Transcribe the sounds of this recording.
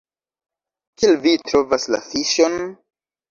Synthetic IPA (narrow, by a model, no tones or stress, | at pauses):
kelvitɾo̞vasla̰fiʃon